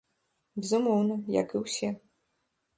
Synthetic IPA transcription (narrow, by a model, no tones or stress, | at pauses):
bʲɛzumɔwnɐja̰kɨwsʲɛ